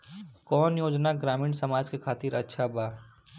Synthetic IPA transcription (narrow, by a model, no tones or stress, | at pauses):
kɔːnjoːd͡ʒnaɡɾaːmĩːɳsəmaːd͡ʒkekʰaːt̪iːɾɐtːʃʰabaː